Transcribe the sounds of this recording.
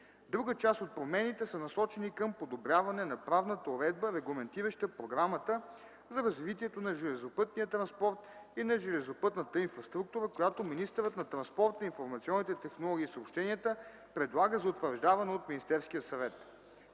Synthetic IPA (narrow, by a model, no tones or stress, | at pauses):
d̪ɾuɡət͡ʃast̪ot̪̚pɾomɛnit̪ɛsənɐsɔt͡ʃɛnikɐmpod̪obɾʲjavɐnɛnɐpɾavnət̪əoɾɛd̪̚bəɾɛɡlˠɐmɛnt̪iɾəʃt̪əpɾoɡɾamət̪ə | zɐɾɐzvit̪iɛt̪onɐʒɛlɛzopɤt̪nijət̪ɾɐ̃nspɔɾt̪inɐʒɛlɛzopɤt̪nət̪əinfɾɐst̪ɾuk̚t̪uɾəkojat̪ominist̪ɛɾət̪nɐt̪ɾɐnspɔɾt̪ɐinfoɾmɐt̪siɔnːit̪ɛt̪ɛxnolˠɔɡ̟ʲiːsəopʃt̪ɛniət̪ə | pɾɛd̪lˠaɡəzɐʊt̪vəɾʒd̪avɐnɛot̪minist̪ɛɾsk̟ijəsɐvɛt̪